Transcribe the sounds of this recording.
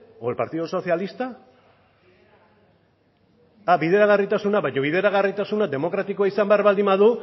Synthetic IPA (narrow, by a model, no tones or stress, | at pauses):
opaɾt̪iðoso̞θialist̪a | aβið̞e̞ɾaɣarit̪asunaβajɲo̞β̞iðe̞ɾaɣarit̪asunad̪e̞mo̞kɾat̪ikoaisambeaɾβald̪imaðu